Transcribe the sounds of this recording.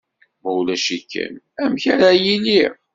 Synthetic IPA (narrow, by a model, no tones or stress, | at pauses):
mæulæʃikʰːæ̰n | æmçæɾæjili